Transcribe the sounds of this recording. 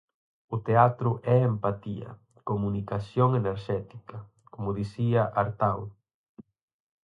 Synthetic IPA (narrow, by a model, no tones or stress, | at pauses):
ʊt̪eat̪ɾʊʔɛempat̪ḭɐ̰ | komunikasjoŋeneɾʃɛt̪i̥kɐ | komʊðisiɐʔaɾt̪aw